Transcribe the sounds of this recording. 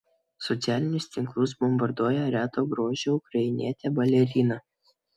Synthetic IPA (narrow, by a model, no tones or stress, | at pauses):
sɔt̪sʲæːlʲɪnʲʊst̪ʲɪŋklˠʊsbɔmbɐɾd̪uɔjɛɾʲæːt̪oːɡɾoːʒʲɛʊkɾɐɪnʲḭɛt̪ʲɛbɐlʲɛɾʲiːnɐ